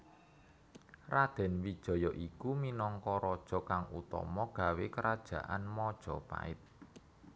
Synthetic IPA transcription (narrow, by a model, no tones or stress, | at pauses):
rad̪̥ɛ̤nwid̥ʒ̥ɔ̤jɔʔikuminɔŋkɔɾɔd̥ʒ̥ɔ̤kaŋṵt̪ɔ̰mɔɡ̥a̤wekəɾad̥ʒ̥ä̤ʔa̰nmɔd̥ʒ̥ɔpa̰ɪ̰t̪̚